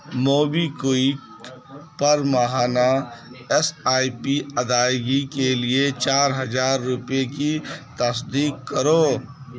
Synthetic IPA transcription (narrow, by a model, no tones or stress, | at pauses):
moːbikoːik | pɐɾmɐɦaːnaɛsaːipiɐd̪aːjɡikeliet͡ʃaːɾɦɐzaːɾːʊpjekit̪ɐsd̪iːkːəɾoː